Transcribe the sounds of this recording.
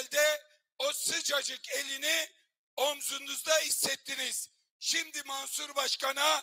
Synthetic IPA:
lʲd̪ɛ | osɯd͡ʒad͡ʒɯkelʲini | omzunuzd̪aɦisːɛt̪ʰːiniz̥ | ʃimd̪imansuɾbaʃkana

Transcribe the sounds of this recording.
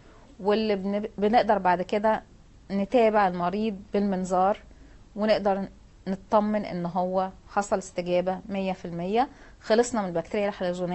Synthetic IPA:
welːibeneʔd̪ɑɾˤbaʕd̪ked̪æ | net̪æːbeʕelmɑɾiːd̪̚ˤbelmenzɑːɾˤ | weneʔd̪ɑɾˤ | net̪t̪ˤːɑmːenʔḛnːɦowːæħɑsˤɑlest̪eɡæːbæmejːæfilmejːæ | xɑlesˤnɑmenelbæk̚t̪eɾejːælħelʒone

